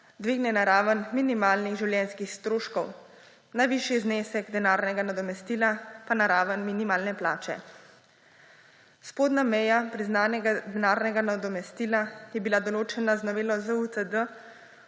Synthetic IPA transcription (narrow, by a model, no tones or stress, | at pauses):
d̪ʋiːɡnɛnaɾaːʋənminimaːlniɣʒiwljɛnskixst̪ɾoːʃkɔw | najʋiːʃjizneːsɛɡd̪ɛnaːɾnɛɡanad̪ɔmɛst̪iːlapanaɾaːʋənminimaːlnɛplaːt͡ʃɛ̰ | spoːd̪namɛjapɾiznaːnɛɡad̪ɛnaːɾnɛɡanad̪ɔmɛst̪iːlajɛbilad̪ɔloːt͡ʃɛnaznɔʋeːlɔzaut̪əd̪ə